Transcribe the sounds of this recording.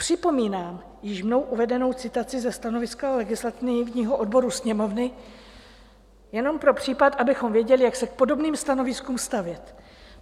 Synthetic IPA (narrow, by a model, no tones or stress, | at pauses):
pr̝̥ɪpo̞miːnaːm | jɪʃmno̞wʔuvɛdɛno̞wt͡sɪt̪at͡sɪzɛst̪ano̞vɪskalɛɡɪslat̪ɪnvɲiːɦoʔo̞dbo̞ɾusɲɛmo̞vnɪ | jɛno̞mpɾo̞pr̝̥iːpat̪ʔabɪxo̞mvjɛɟɛlɪjaksɛk̚po̞do̞bniːmst̪ano̞vɪskuːmst̪avjɛt̪